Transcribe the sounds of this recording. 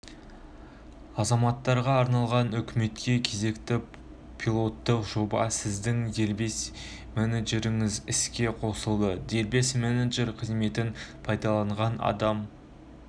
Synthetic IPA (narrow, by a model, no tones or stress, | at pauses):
ɑzɑmɑt̪ːɑɾʁɑːɾnɑlˠʁɑnʏkʲɪme̞t̪kʲe̞kʲʰe̞ze̞kt̪ɪ | pʰilˠo̞t̪ːəqʒ̥o̞bɑ̰sɪzd̪ɪŋd̪e̞lbe̞s | meneʒeɾɪŋɪzɪskʲe̞qʰo̞səlˠd̪əd̪e̞lbe̞smeneʒe̞ɾqʰəzme̞t̪ɪnpʰɑjd̪ɑlˠɑɴʁɑnɑ̰d̪ɑm